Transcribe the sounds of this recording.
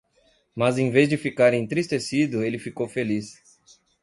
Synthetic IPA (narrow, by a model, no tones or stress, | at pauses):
mɐzẽvezd͡ʒɪfikaɾẽnt̪ɾist̪esid̪ʊelɪfikowfelis